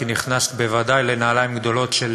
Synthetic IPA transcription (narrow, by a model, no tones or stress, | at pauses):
iniχnast̪be̞vad̪ajlenaːlaimɡd̪o̞lo̞t̪ʃel